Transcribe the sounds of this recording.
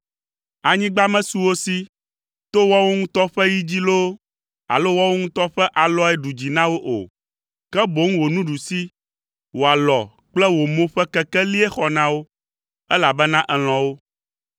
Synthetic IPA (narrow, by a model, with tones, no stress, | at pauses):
a˨ɲĩ˦ɡ͡ba˦mɛ̃˦su˨wo˦si˦ | t̪o˦wɔ˦wo˦ŋũ˦t̪ɔ˦ɸɛ˦ji˦d͡ʑi˦lo˦ | a̰˨lo˦wɔ˦wo˦ŋũ˦t̪ɔ˦ɸɛ˦ʔa˨lɔ˦ɛ˦ɖu˨d͡ʑi˨nã˦wo˦ʔo̰˨ | kɛ˦bo˦ŋ̩̃˦wo˨nũ˦ɖu˨si˦ | wo˨a˨lɔ˨ | k͡plɛ˦wo˨mõ˦ɸɛ˦kɛ˦kɛ˦li˦ɛ˦xɔ˨nã˦wo˦ | ɛ˦la˨bɛ˦nã˦ʔɛ˨l̃ɔ̃˨wo˦